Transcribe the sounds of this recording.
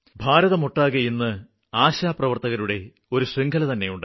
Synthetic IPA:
bʱaːɾɐðɐmoʈːaːɣɐjinːɨ | aːɕaːprɐʋɐrt̪ɐɣɐɾuɽe̞ | o̞ɾusriŋɡʰʱɐlɐt̪ɐnːe̞juɳɖɨ

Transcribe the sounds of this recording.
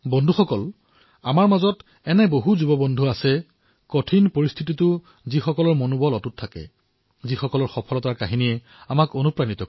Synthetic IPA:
bɔndʱuxɔkɔl | amaɹmazɔt | ɛnɛboɦuzubɔbɔndʱuasɛ | kotʰinpoɹist̪ʰititʊ | zixɔkɔlɔɹmonubɔlɔtutʰːakɛ̰ | zixɔkɔlɔɹxɔpʰɔlɔtaɹkaɦiniɛ | amakonupɹanitɔk

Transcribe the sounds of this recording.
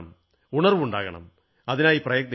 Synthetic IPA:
m | uɳɐrʋuɳɖaːɣɐɳɐ̰m | ɐðinaːjiprɐjɐk̚nɐ

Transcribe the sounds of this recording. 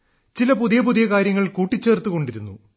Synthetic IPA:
t͡ɕilɐpuðijɐpuðijɐkaːɾjɐŋːɐɭkuːʈːit͡ɕːe̞ːrt̪ːuɣo̞ɳɖiɾunːṵ

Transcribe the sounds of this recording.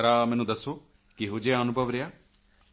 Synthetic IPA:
ɾaːmɛ̃ːnũːd̪əsːoː | kɪɦoːd͡ʒeːənʊbʱəʋɾɪjaː

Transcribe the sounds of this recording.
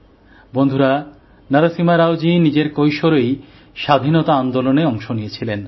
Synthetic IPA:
bond̪ʱuɾa | naɾasimaɾawd͡ʑinid͡ʑeɾkojʃoɾej | ʃad̪ʱinɔt̪aand̪oloneɔŋʃonijet͡ɕʰilen

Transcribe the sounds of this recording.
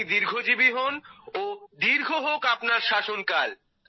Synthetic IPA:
d̪iɾɡʱod͡ʑibiɦonod̪iɾɡʱoɦokapnaɾʃaʃonkal

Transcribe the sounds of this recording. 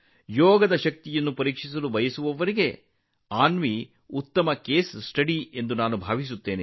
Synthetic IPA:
jɔːɡɐd̪ɐʃɐk̚t̪ijɐnːupɐɾiːkʂis̬ɐlubʱɐjɐsuʋɐʋɐɾiɡe̞ | aːnʋi | ut̪ːɐmɐke̞ːssʈɐɽie̞nd̪unaːnubʱaːʋis̬ut̪ːe̞ːne

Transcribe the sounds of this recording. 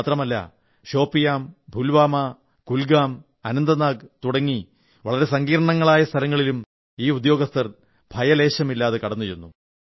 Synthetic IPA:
t̪rɐmɐlːɐ̰ | ɕo̞ːpːijaːmbʱulʋaːmɐ | kulɡaːm | ɐnɐnd̪ɐnaːɡt̪uɽɐŋːi | ʋɐɭɐɾe̞sɐŋɡiːɾɐɳɐŋːɐɭaːjɐst̪ʰɐlɐŋːɐɭilum | iːud̪jo̞ːɡɐst̪ʰɐr | bʱɐjɐle̞ːɕɐmilːaːðekɐɽɐnːut͡ɕenːu

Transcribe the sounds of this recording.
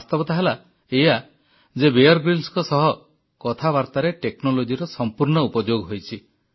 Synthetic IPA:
st̪ɔbɔt̪aɦela | eja | d͡ʒebeɔɾɡɾilskɔsɔɦɔ | kɔt̪ʰaβaɾt̪aɾeʈeknɔlod͡ʒiɾɔsɔmpuɾɳɔupɔd͡ʒoɡɔɦojt͡ʃʰi

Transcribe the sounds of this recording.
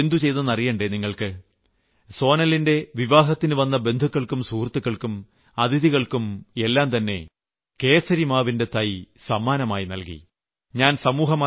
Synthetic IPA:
nd̪ʱut͡ɕe̞jt̪ɐnːɐrijɐːɳɖeniŋːɐɭkɨ | so̞ːnɐlːinde̞ʋiʋaːɦɐt̪ːinɨʋɐnːɐbe̞nd̪ʱukːɐɭkːumsuːrt̪ːukːɐɭkum | ɐd̪ʱiðiɣɐɭkume̞lːaːmt̪ɐnːe̞̰ | ke̞ːsɐɾimaːʋinde̞t̪ɐjsɐmːaːnɐmaːjinɐ̰lkḭ | ɲaːnsɐmuːɦɐmaː

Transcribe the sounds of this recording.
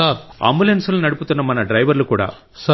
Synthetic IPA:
aːɾɐ̰mbʊlɐnsɯlnɐɽɯpːɯt̪ːɐnːɐmaːnɐɖɾɐɪʋɐɾlɯkːuːɽa̰ː | sa

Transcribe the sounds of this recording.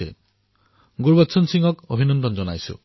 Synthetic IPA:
ḛ | ɡuɾbɔt̪ːsʰɔnsiŋɔkobʱinɔnd̪ɔnd͡ʒɔnajsṵ

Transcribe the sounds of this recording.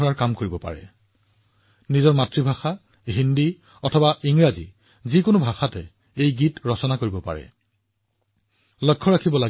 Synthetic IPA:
ɔɹaɹkamkoɹibɔpa̰ɹɛ̰ | nizɔɹmatɹibʱaxa | ɦindi | ɔtʰɔbaʔiŋɹazḭ | zikonʊbʱaxatɛ̰ | ejɡitɹɔsɔnakoɹibɔpa̰ɹɛ̰ | lɔkʰːɔɹakʰibɔla

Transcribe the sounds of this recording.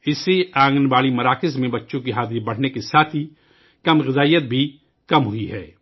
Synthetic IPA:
ɪseaːŋɡənbaːlimɐɾaːkɪsmẽbɐtːʃõkiɦaːd̪ibɐɽ̤nekesaːt̪ʰi | kɐmɣɪzaːijːət̪̚bʱi | kɐmɦʊiɦɛː

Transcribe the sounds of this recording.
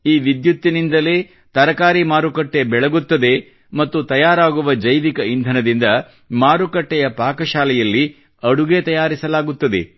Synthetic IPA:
iːʋid̪jut̪ːinind̪ɐle̞ː | t̪ɐɾɐkaːɾimaːɾukɐʈːe̞bɛɭɐɡut̪ːɐd̪e̞ | mɐt̪ːut̪ɐjaːɾaːɡuʋɐd͡ʒɐjʋikɐind̪ʱɐnɐd̪ind̪ɐ | maːɾukɐʈːɛjɐpaːkɐʃaːlɛjɐlːi | ɐɽuɡet̪ɐjaːɾisɐlaːɡut̪ːɐd̪e̞̰

